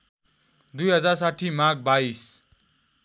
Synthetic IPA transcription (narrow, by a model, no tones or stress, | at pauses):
d̪ujɦʌd͡zars̬aʈʰːimaɡ̚bais